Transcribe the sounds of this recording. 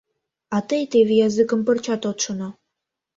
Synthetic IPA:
ɑt̪əjt̪eβejɑzɨkə̆mpə̆rt͡ɕɑt̪ot̪ʃono

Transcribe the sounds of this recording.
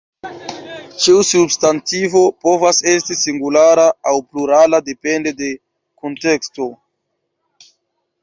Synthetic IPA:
t͡ʃiusubstantivo̞po̞vase̞stisiŋɡulaɾaːwpluɾalade̞pe̞nde̞de̞ | konte̞ksto̞

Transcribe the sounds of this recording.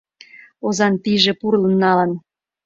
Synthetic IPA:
ozɑnt̪iʒĕpurlə̆nːɑlə̆n

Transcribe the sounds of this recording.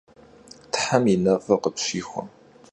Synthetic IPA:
t̪ʰħaminɐvɐqəpɕixʷʊ̰m

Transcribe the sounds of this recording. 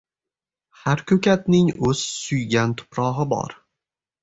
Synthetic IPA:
haɾkʲʰɵkʲʰat̪nɪŋɵz̥sʊjɡʲant̪ʰʊ̥pɾɒʁɪbɒ̰ɾ

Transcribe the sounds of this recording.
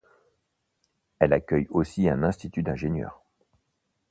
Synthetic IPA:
ɛlakʲœjosiɛ̃nɛ̃st̪it̪yd̪ɛ̃ʒenjœ̰ːʁ

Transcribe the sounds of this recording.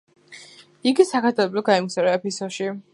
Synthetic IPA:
iɡisakʰaɾt̪ʰɛblɔɡaimsaɾɛɛpʰisɔʃi

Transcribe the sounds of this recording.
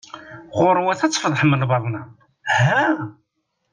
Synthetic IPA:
ʁʊɾˤwæθæt͡sːfðˤħəmːəlvɑðˤnæ | hæ

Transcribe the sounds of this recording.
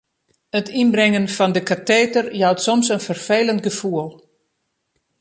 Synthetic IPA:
ətʰinbrɛŋənfɔndəkateːtərjɔwtsɔmsənfərfeːləntɡəfuəlˠ

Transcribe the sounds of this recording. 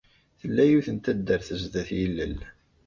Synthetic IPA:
θəlːæjuθənt̪æd̪ːəɾθəzðæθjəlːə̰l

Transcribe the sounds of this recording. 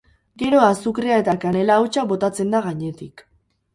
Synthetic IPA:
ɡe̞ɾo̞asukɾeae̞t̪akane̞laːwt͡ʃaβo̞t̪at͡se̞nd̪aɣaɲe̞t̪ik

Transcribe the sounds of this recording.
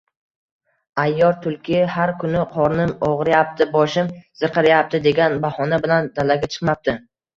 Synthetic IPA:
ajːɒɾt̪ʰʊlˠkʲʰɪhaɾkʰʊnɪqʰɒɾnɪmɒʁɾjap̚t̪ʰɪbɒʃɪmz̥ɨɾqʰɑɾajap̚t̪ɪd̪e̞ɡʲanbahɒnabɪland̪alaɡʲat͡ʃʰɨ̥qmap̚t̪ɪ

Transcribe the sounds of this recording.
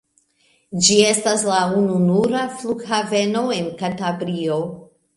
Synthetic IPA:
d͡ʒie̞staslaununuɾafluɡhave̞no̞enkantabɾio

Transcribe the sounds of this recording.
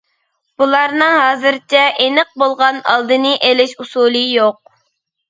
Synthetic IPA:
b̥ulˠɑɾnɨŋɦɑːzɨɾt͡ʃʰɛʔenəq̚bolˠʁɑnɑ̰lˠd̪ɨnɨʔelɪʃusulˠɨjoq̚

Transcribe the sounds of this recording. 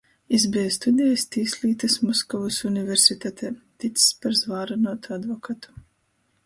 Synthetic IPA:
izbɛjst̪ud̪ʲɛjast̪iːslʲiːt̪ɐsmɔskɔvusuniveɾsʲit̪at̪ʰɛːt̪it̪sspaɾzvaːɾanuɔt̪uad̪vɔkat̪u̥

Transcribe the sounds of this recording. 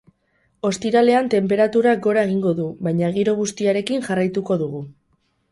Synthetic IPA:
o̞st̪iɾale̞ant̪e̞mpe̞ɾat̪uɾak̚ɡo̞ɾae̞ɣiŋɡo̞ðuβajɲaɣ̞iɾo̞ɣ̞ust̪iaɾe̞kiŋʝarajt̪uko̞ðuɣ̞u

